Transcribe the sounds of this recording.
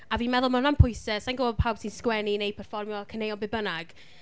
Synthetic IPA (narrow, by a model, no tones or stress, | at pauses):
aviːnmɛðʊlˠmanampʰʊjsəsanɡobɔdpʰawb̥sinskwɛninejpʰɛrfɔrmjɔkʰənejɔbɪbənaɡ̥